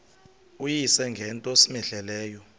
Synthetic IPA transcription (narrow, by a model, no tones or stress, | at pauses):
ujisɛŋɡʱɛntʼosimɛɮɛlɛːjɔ